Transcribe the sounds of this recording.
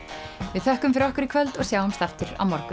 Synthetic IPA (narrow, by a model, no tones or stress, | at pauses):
vɪðθœhkʏmfɪɾɔhkʏɾɪkʰvœlt̪ɔɣsjaːwʏmst̪aft̪ʏɾa̰wmɔɾkʏ